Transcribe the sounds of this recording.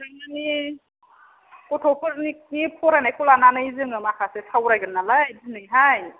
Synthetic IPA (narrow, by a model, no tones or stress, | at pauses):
daŋnɯni | kɔtʰɔpʰɯɾnik̚nipʰɔɾajnajkɔlananɯjzɯŋɯmakʰasesʰawɾajɡɯnːalajdinɯjɦaj